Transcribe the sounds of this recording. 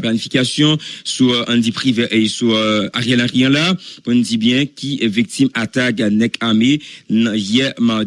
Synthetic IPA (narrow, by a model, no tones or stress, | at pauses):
planifikasjɔ̃suɑ̃nd̪ipʁiveʔesuaʁjɛlaʁjɑ̃lakɔ̃ndibjɛ̃kʲʰiɛvik̚t̪imat̪aɡanɛkamenãjɛma